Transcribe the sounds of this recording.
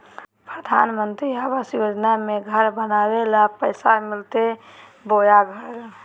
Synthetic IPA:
pɾəd̪ʱa̰nmənt̪ɾiəbəsjod͡ʒnameɡʱəɾbənawelapəɪsamilt̪e | bojaɡʱəɾ

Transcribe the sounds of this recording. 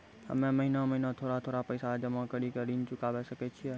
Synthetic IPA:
hə̰mẽməɦinaməɦinat̪ʰoːɾat̪ʰoːɾapəɪsad͡ʒəmãkəɽikəɾint͡ʃʊkaʋesəket͡ʃʰiɛ

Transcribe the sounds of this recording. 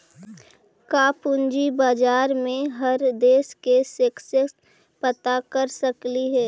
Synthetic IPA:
kaːpʊnd͡ʒibaːd͡ʒaːɾmẽɦəɾd̪eːskesɪksəks | pət̪akəɾsəkliɦɛː

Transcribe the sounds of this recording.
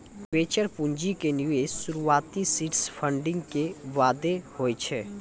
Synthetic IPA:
ʋeːt͡ʃəɾpũɲd͡ʒikeniesʊɾuaːt̪isiʈspʰə̃ɳɖɪ̃ŋɡkeʋaːd̪ehoːjt͡ʃʰɛː

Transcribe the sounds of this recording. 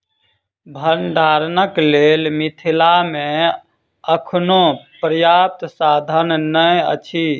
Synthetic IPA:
bʱənɖʱaːɾnəklelmit̪ʰilamẽ | əkʰnopɾəjaːp̚t̪saːd̪ʱənnəjə̰t͡ʃʰi

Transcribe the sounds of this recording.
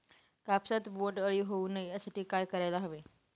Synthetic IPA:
kapsət̪boʈəɭjuɦoũnəɦĩəsət̪ʰikajkəɾaɪlaɦəʋe

